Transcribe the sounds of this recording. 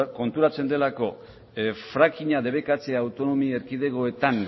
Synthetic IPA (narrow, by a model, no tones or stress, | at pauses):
ko̞nt̪uɾat͡se̞nd̪e̞lako̞ | fɾakiɲaðe̞βe̞kat͡seawt̪o̞no̞mie̞ɾkið̞e̞ɣo̞e̞t̪an